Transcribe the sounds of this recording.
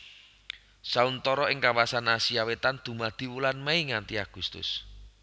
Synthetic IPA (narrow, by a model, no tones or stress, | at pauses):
saunt̪ɔɾɔɪŋkawasanasiawet̪and̪̥ṳmad̪̥i̤wulanmaiŋant̪iaɡ̥ust̪ʊ̰s